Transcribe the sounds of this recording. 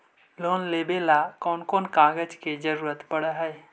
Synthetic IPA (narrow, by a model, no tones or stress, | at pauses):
loːnleːbelakɔːnkoːnkãːɡəd͡ʒked͡ʒəɾuːɾət̪pɐɽaɦɛ